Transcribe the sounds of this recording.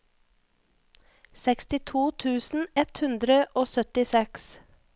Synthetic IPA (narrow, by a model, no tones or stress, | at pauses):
sɛkst̪ɪt̪ʰuːt̪ʰʉːsn̩ɛt̪hʉnd̪ɾəʔoːsœt̪ɪsɛks